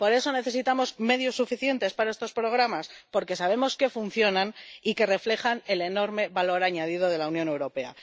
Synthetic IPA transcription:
po̞ɾe̞so̞ne̞θe̞sit̪amo̞zme̞ðjosːufiθje̞nt̪e̞spaɾae̞st̪o̞spɾo̞ɣɾamaspo̞ɾke̞saβ̞e̞mo̞ske̞funθjo̞nanike̞re̞fle̞xane̞le̞no̞ɾme̞βalo̞ɾaɲaðið̞o̞ð̞e̞launjone̞wɾo̞pe̞a̰

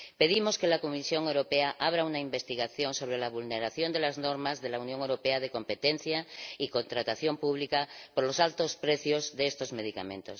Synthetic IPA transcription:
pe̞ðimoskelakomisjo̞ŋewɾopeaʔaβ̞ɾaunaimbe̞st̪iɣ̞aθjo̞nso̞β̞ɾelaβ̞ulneɾaθjond̪elazno̞ɾmazðe̞launjoŋewɾopeað̞eko̞mpet̪en̟θjaiko̞nt̪ɾat̪aθjo̞mpuβ̞likapoɾlo̞salt̪ospɾeθjozðest̪o̞zme̞ðika̰mḛ̃nt̪o̰s

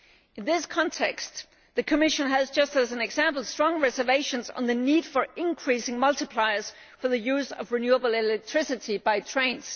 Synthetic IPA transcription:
ɨ̃nðɪskʰɑ̃ntʰɛkst | ðɨkʰɨmɪʃɨ̃nɨzd͡ʒʌstɨzɨ̃nɨɡzæ̃mpl̩ˠstɹ̥ɔ̃ŋɹɛzə˞veɪʃɨ̃nzn̩ðɨnid̥fə˞ʔɪ̃nkʰɹ̥isɪ̃ŋmʌlˠtɨpʰl̥aɪə˞z̥ | fə˞ðɨjʉzʌ̰vɹɨnjuəbl̩ˠɪlɛk̚tʰɹ̥ɪsɨɾibaɪtʰɹ̥ẽɪ̃nz̥

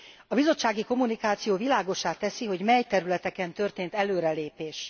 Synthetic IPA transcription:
ɒbizo̞t͡ʃːaːɡiko̞munikaːt̪sijoːvilaːɡo̞ʃaːt̪ɛsiɦo̞ɟmɛjt̪ɛɾylɛt̪ɛkɛnt̪ø̞rt̪eːnt̪ɛløːɾɛleːpeːʃ

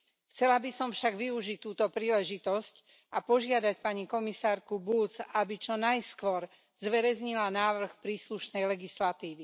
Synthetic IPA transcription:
xt͡sɛlabisɔmfʃaɡʋiuʒic̚t̪uːt̪ɔpɾiːlɛʒit̪ɔsc | apɔʒɪad̪acpaɲikɔmisaːɾkubut͡sabit͡ʃɔnajskʋɔɾ | zʋɛɾɛzɲilanaːʋr̩xpɾiːsluʃnɛjlɛɡislat̪iːʋi

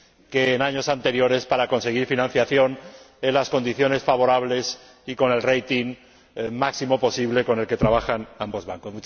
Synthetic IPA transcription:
keːnaɲo̞sant̪e̞ɾjo̞ɾe̞spaɾako̞nse̞ɣ̞iɾfinãn̟θjaθjo̞n | enlasko̞nd̪iθjo̞ne̞sfaβ̞o̞ɾaβ̞le̞s | iko̞ne̞lrejt̪iŋ | maksimo̞po̞siβle̞ko̞nelke̞t̪ɾaβ̞axanambo̞zβaŋkosmut͡ʃ

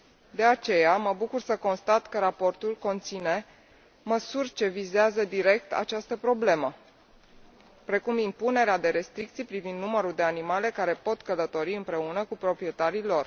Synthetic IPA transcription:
d̪e̞at͡ʃe̞jaməbukursəko̞nst̪at̪kəɾapo̞rt̪ulko̞nt̪sine̞ | məsurʲt͡ʃe̞vizeazəd̪iɾe̞k̚t̪ʰa̰t͡ʃast̪əpɾo̞ble̞mə | pɾe̞kumimpune̞ɾead̪e̞ɾe̞st̪ɾik̚t̪sijpɾivind̪numəɾuld̪e̞animale̞kaɾe̞po̞t̪kələt̪o̞ɾiɨmpɾe̞unəkupɾo̞pɾije̞t̪aɾilo̞r

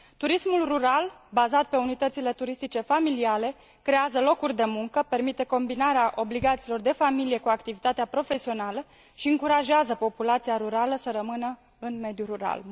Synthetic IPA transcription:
t̪uɾismulruɾal | bazat̪̚pe̞unit̪ət̪sile̞t̪uɾist̪it͡ʃe̞familiale̞ | kɾe̞azəlo̞kurʲd̪e̞muŋkəpe̞rmit̪e̞ko̞mbinaɾeaʔo̞bliɡat̪silo̞rd̪e̞familije̞kuakt̪ivit̪at̪eapɾo̞fe̞sio̞nalə | ʃiɨŋkuɾaʒeazəpo̞pulat̪siaɾuɾaləsəɾəmɨnə | ɨnme̞d̪juɾuɾa̰l

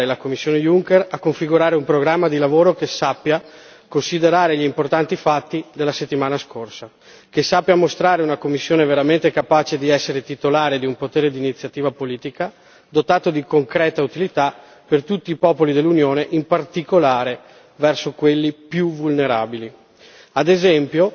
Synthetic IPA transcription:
elakomːisːjoːnejuŋkerakoɱfiɡuɾaːɾeumpɾoɡɾamːad̪ilavoːɾokesapːja | konsid̪eɾaːɾeʎimport̪ant̪ifat̪ːid̪elːaset̪ːimaːnaskorsa | kesːapːjamost̪ɾaːɾeunakomːisːjoːneveɾament̪ekapaːt͡ʃed̪iɛsːeɾet̪it̪olaːɾed̪iumpot̪eːɾed̪iːnit̪sːjat̪iːvapoliːt̪ika | d̪ot̪aːt̪od̪ikoŋkɾɛːt̪aut̪ilit̪a | pert̪ut̪ːiːpɔːpolid̪elːunjoːneʔimpart̪ikolaːɾe | vɛrsokwelːipjuvulneɾaːbili | ad̪ezɛmpjo

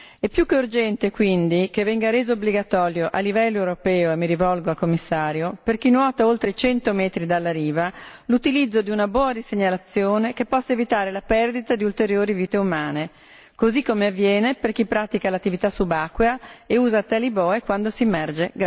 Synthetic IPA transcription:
ɛpːjukːeurd͡ʒɛnt̪ekwind̪ik̟evɛŋɡaɾeːzoːbliɡat̪ɔːɾjoʔalːivɛlːoewɾopɛːoemːiɾivɔlɡoalkomːisːaːɾjoperk̟inwɔːt̪aolt̪ɾeit͡ʃɛnt̪omɛːt̪ɾid̪alːaɾiːvalut̪ilid̪zːod̪iunabɔːadiseɲalat̪sːjoːnekepːɔsːaevit̪aːɾelapɛrd̪it̪ad̪iult̪eɾjoːɾiviːt̪eumaːne | kozikːomeavːjɛːneperkipɾaːt̪ikalat̪ːivit̪asubakːweaeuːzat̪alibɔːekwand̪osiemɛrd͡ʒeɡ

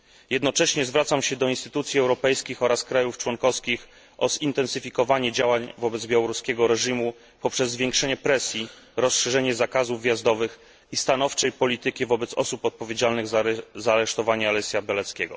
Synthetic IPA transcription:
jɛd̪nɔt͡ʂɛɕɲɛzvɾat̪samɕɛd̪ɔinst̪ɘt̪ut̪sʲjiɛwɾɔpɛjskʲixɔɾaskɾajuft͡ʂwɔŋkɔskʲix | ʔɔzint̪ɛnsɘfʲikɔvaɲɛd͡ʑawaɲvɔbɛd̪zbʲjawɔɾuskʲɛɡɔɾɛʐimu | pɔpʂɛzːvʲjɛ̃ŋkʂɛɲɛpɾɛsʲji | ɾɔsʂɛʐɛɲɛzakazuvːʲjazd̪ɔvɘx | ist̪an̪ɔft͡ʂɛjpɔlʲit̪ɘkʲivɔbɛt̪sɔ̰supɔt̪̚pɔvʲjed͡ʑalnɘɣzzaːɾɛʂt̪ɔvaɲalɛsʲjabʲɛlɛt̪skʲɛɡɔ̰

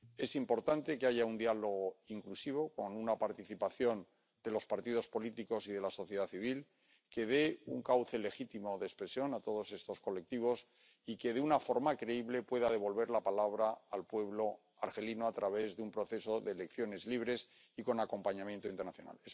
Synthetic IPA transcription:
e̞simpo̞ɾt̪ant̪e̞keaʝaund̪ialo̞ɣ̞oiŋklusiβ̞o̞ko̞nunapaɾt̪iθipaθjo̞n | d̪e̞lo̞spaɾt̪ið̞o̞spo̞lit̪iko̞siðe̞laso̞θje̞ðaθiβ̞il | ke̞ð̞e̞ṵŋkawθe̞le̞xit̪imo̞ðespɾe̞sjo̞nat̪o̞ð̞o̞se̞st̪o̞sko̞le̞k̚t̪iβ̞o̞s | ike̞ðeunafo̞ɾmakɾe̞iβle̞pwe̞ðað̞e̞β̞o̞lβe̞ɾlapalaβ̞ɾaːlpwe̞βlo̞ | aɾxe̞linoat̪ɾaβe̞zðeumpɾo̞θe̞so̞ðe̞ːlekθjo̞ne̞zliβɾe̞s | iko̞nako̞mpaɲãmjent̪oint̪ernaθjo̞na̰les

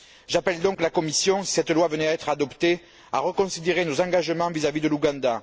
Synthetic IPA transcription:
ʒapɛld̪ɔ̃ŋklakɔmisjɔ̃i̥sɛt̪lwavənɛɛt̪χad̪ɔpt̪e | a̰ʁəkɔ̃sid̪eʁenozɑ̃ŋɡaʒəmɑ̃vizavid̪əluɡɑ̃d̪a

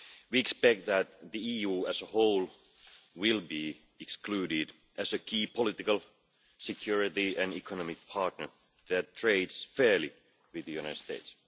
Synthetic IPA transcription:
wiɛkspɛk̚t̪̚ðæt̪̚ðiiːjuːæsəhoʊl | wɪlˠbi | ɛksklʉːɾɪd | ʔæsəkʰiːpʰolɪt̪ɪkəlˠ | sɛkʰjuɹɪt̪iæ̃nikʰənɔmɪk̚pʰɑɹt̪̚nə˞ | ðætt̪ʰɹeɪdsfeːli | wɪðəjʉnaɪtdst̪eɪt̪s

